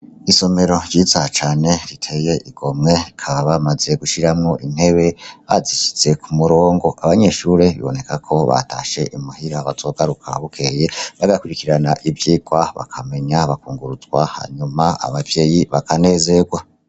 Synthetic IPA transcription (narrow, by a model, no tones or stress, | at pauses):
iso̞me̞ɾo̞ɟɟiːzat͡ʃaːne̞ɾitʰe̞je̞ʔiɡ̥o̞mŋe̞kʰaβaβamaze̞ɡuʃiɾamŋoʔin̥he̞βe̞βaziʃi̥t͡se̞kumuɾo̞ːŋɡo̞ʔaβaɲe̞ʃuːɾe̞βḭβo̞̰ne̞kakʰo̞βa̰taʃe̞ʔimuhiɾaβazo̞ɡaɾukʰa̰βukʰe̞je̞βaɡakuɾikiɾanaʔivjiːɡwaβa̰kʰame̞ɲaβakuːŋɡuɾuzɡwaha̰ɲumaa̰βavje̞ːjiβakane̞ːze̞ɡwa